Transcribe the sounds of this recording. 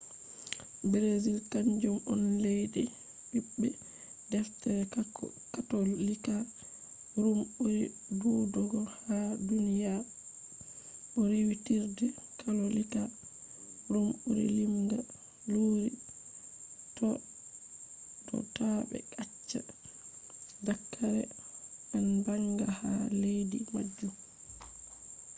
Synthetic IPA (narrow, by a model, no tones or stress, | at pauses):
bɾezilkaɲd͡ʒumɔnlejdɛ | bibːɛ | dɛftɛɾɛ | katolːika | ɾumuɾi | duːdɔɡɔhadunija | ʔɔɾiwitiɾdɛkalɔlika | ɾumuɾḭlimɡa | luːɾi | tɔ | dɔ̰taɓɛ̰kat͡ʃːa | dakʰːaɾɛʔanbaŋɡaha̰lejdimad͡ʒːum